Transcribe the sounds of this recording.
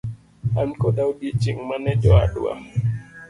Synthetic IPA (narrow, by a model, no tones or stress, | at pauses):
ankɔɗawɗit͡ʃiŋmanɛd͡ʒɔa̰ɗṵwa̰